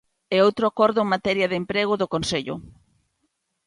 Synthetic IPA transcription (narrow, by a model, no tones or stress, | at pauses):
ɛowt̪ɾoakɔɾðʊeŋmat̪ɛɾjɐðempɾeɣʊðokonseʎʊ̰